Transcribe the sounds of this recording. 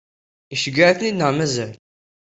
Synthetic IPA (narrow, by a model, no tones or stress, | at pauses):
iʃəɡəʕθnid̪nəʁmæzæl